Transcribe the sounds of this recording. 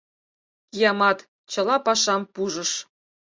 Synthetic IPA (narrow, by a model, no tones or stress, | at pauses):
jɑmɑt̪ | t͡ɕɤ̆lɑpɑʃɑmpuʒɤ̆ʃ